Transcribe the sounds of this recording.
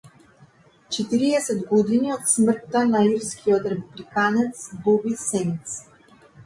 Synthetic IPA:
t͡ʃɛt̪iɾiɛsɛd̪ɡɔd̪iniɔt̪smr̩t̪ːanaiɾskʰiɔt̪ɾɛpublikanɛt̪sbɔbisɛnit̪s

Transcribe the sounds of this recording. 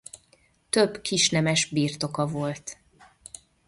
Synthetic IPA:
t̪ø̞bkiʃnɛmɛʒbiːrt̪o̞kɒvo̞lt̪

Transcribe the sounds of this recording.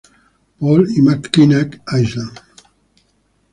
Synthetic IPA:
pɔlimakːinɛkajʃlan

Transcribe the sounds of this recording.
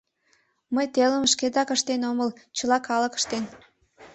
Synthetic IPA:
məjt̪eləmʃked̪ɑkəʃt̪enoməlt͡ɕəlɑkɑləkə̥ʃt̪en

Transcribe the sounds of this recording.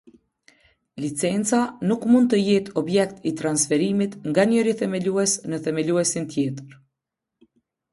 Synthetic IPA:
lit͡sɛnt͡sanukmund̪̚t̪əjɛt̪ɔbjɛkt̪it̪ɾansfɛɾimit̪ŋɡaɲəɾiθɛmɛluɛsnəθɛmɛluɛsint̪jɛt̪əɾ

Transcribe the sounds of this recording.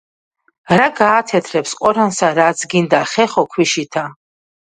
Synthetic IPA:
ɾaɡaːt̪ʰɛt̪ʰɾɛpsqʼɔɾansaɾat̪sʰɡind̪aχɛχɔkʰwiʃit̪ʰa

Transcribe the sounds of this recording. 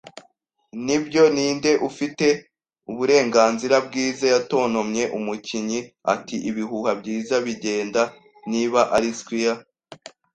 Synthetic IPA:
nibjo̞niːnde̞ʔufite̞ | uβuɾe̞ːŋɡaːnziɾab̚ɡiːzajato̞ːno̞mɲe̞ʔumuciɲia̰tiʔiβiɦuːhabɟiːzaβiɟe̞ːnda | niβaʔaɾiskwija

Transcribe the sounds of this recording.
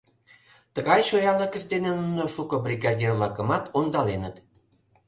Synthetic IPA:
t̪əɣɑjʃojɑləkə̆ʃd̪enenunoʃukɤ̆brʲiɣɑdʲirlɑkə̆mɑt̪ond̪ɑlenət̪

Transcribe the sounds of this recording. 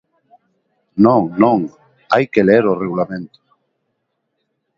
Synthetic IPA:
nõŋnõŋ | ajkeleeɾoreɣulamẽnt̪o̥

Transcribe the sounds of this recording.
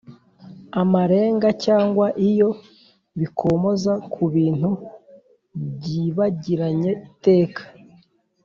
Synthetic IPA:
amaɾe̞ːŋɡacaːŋɡwaʔijo̞ | βikʰo̞mo̞zakʰuβiːn̥hu | bɟiːβaɟiɾaɲe̞ite̞ːkḁ

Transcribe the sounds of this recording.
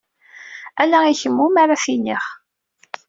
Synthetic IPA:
ælæiçəmːumaɾˤafiniχ

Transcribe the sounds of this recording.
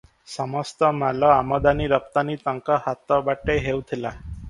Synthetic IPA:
sɔmɔst̪ɔmalɔamɔd̪aniɾəp̚t̪anit̪əŋkɔhat̪ɔbaʈeɦewt̪ʰila

